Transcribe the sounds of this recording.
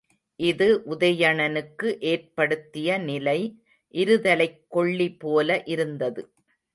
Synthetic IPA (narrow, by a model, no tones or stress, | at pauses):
ʔɪðɯʔʊðɐjɐɳɐnɯkːɯʔeːrpɐɽɯt̪ːɪjɐnɪlɐɪ | ʔɪɾɯðɐlɐɪkːɔɭːipoːlɐʔɪɾɯnd̪ɐðɯ